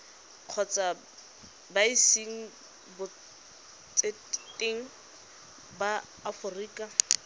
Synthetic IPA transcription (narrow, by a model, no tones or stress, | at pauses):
q͡χʰɔt͡sʼa | baisiŋ̩ | bʊ | t͡sʼe | tʼeŋ̩ | baː | fʊriːkʼa